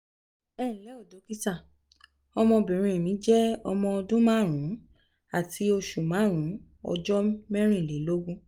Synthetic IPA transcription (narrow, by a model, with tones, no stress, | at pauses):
ɛ˦˨lɛ˨˦o˦˨do˨˦ki˦ta˦˨ | ɔ˧mɔ̃˧bĩ˨ɾ̃ĩ˧˨mĩ˨˦d͡ʒɛ˦ɔ˧mɔ̃˧ɔ˧dũ˦mãː˦˨ɾ̃ũ˨˦ | a˦˨tʰi˧˦o˧ʃu˨mãː˨˦˨ɾ̃ũ˨˦ | ɔ̰˧d͡ʒɔ˦mɛ̃˦ɾ̃ĩ˦˨le˨˦lo˦ɡũ˦